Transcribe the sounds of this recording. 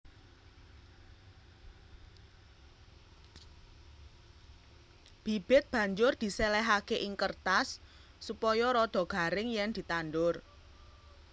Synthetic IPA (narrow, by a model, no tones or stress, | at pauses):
b̥ib̥ɪt̪̚b̥a̤ɲd͡ʒʊrd̪̥i̤selɛɦakeʔiŋkərt̪asː | upɔjɔɾɔd̪̥ɔ̤ɡ̥a̤ɾɪŋjɛŋd̪̥i̤t̪anɖʊr